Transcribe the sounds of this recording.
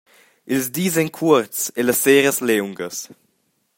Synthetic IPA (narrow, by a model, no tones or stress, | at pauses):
ilzdiːzɛnkʰuɾtt͡seləsːɛːɾəslɛwŋɡəs